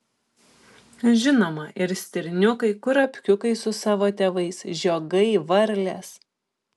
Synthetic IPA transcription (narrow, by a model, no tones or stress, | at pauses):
ʒʲɪnoːmɐʔɪɾsʲt̪ʲɪɾʲnʲʊkɐɪkʊɾɐpʲkʲʊkɐɪsʊsɑːʋoːt̪ʲeːʋɐɪsʒʲoːɡɐɪʋɐɾʲlʲeːs